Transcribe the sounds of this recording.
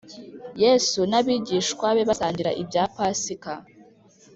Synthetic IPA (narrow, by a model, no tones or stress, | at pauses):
jeːsunaβiːɟiːʃkwaβe̞βasaːɲɟiɾa̰ʔibɟaːpasika